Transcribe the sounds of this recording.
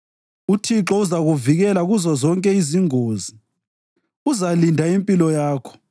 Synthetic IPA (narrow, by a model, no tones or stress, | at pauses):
utʰiǁɔuzaɣuviɣɛlaɣuzɔzɔŋkʼɛiziŋoːzi | uzalindʱaimpʼilɔjaːkʰɔ̥